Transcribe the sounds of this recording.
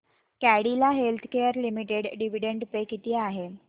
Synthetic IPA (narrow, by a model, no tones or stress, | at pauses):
kæɽilaɦelt̪ʰkejəɾlimiʈeɽɖiʋ̤iɽeɳɖpekit̪iːaɦe